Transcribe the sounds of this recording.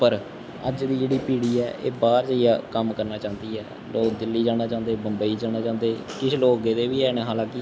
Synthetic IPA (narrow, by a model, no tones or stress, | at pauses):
pəɾ | ə̰d͡ʒd̪iːd͡ʒeːɽiːpiːɽiːɛːʔḛːbaːɾd͡ʒaijaːkəmkəɾnaːt͡ʃãːnd̪iːɛː | loːkd̪ɪlːiːd͡ʒãːñaːt͡ʃãːnd̪eːbəmbəiːd͡ʒaːɽ̃ñaːt͡ʃãːnd̪eː | kɪʃʰloːɡeːd̪eːʋiːɛːɽ̃ɛ̃ːɦaːlãːkɪ